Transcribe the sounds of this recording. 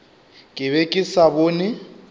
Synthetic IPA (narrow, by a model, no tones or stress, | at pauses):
kʼɪβɛkʼɪsaboːnɪ